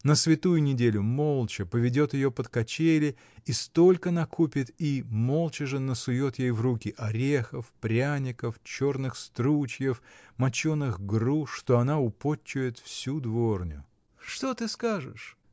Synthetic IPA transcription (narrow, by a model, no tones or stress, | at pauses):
nəsvʲɪt̪ujʊnʲɪdʲelʲʊmo̞lˠt͡ɕɪpəvʲɪdʲo̞t̪jɪjo̞pət̪kɐt͡ɕejlʲɪ | ist̪o̞lʲkənɐkʰupʲɪt̪imo̞lˠt͡ɕɪʐənəsʊjo̞t̪jejvrukʲɪʔɐɾʲexəfpɾʲanʲɪkəft͡ɕo̞rnɨxst̪ɾut͡ɕjəfmɐt͡ɕonɨɣɡruʂt̪o̞ɐnaʊpot͡ɕːʊjɪt̪fsʲud̪vo̞rnʲʊ̰ | ʂt̪o̞t̪ɨskaʐɨ̰ʂ